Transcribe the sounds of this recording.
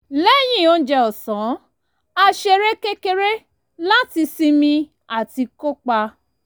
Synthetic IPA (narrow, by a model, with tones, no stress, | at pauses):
lɛ˦˨j̃ĩ˦˨o˧n̩˦d͡ʒɛ˧ɔ˨sɔ̃˨˦ | a˧ʃe˧ɾe˦ke˦ke˦ɾe˦ | la˦ti˧si˧mĩ˧ | a˨ti˧ko˦k͡pa˧